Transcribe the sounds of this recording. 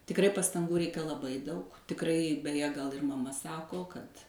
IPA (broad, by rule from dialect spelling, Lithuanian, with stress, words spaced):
tʲɪkˈrɐɪ pɐstɐŋˈɡuː ˈrʲɛɪkɐ lˠɐˈbɐɪ ˈdɐʊk tʲɪkˈrɐɪ bʲɛˈjɛ ɡɐlˠ ɪr mɐˈmɐ ˈsɑːkoː kɐt